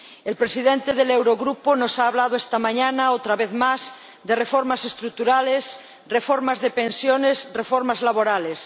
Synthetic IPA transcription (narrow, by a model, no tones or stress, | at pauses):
elpɾesiðẽnt̪eðelewɾoɣɾuponosaːβlað̞oest̪amãɲanaot̪ɾaβeθmaz | d̪erefoɾmasest̪ɾut̪uɾales | refoɾmazðepẽnsjonesrefoɾmazlaβoɾales